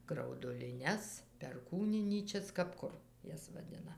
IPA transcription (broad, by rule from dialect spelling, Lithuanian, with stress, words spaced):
ɡrɐʊdʊlʲɪˈnʲɛs pʲɛrˈkuːnʲɪnʲiːt͡ʃʲɛs kɐp ˈkʊr ˈjɛs ʋɐˈdʲɪnɐ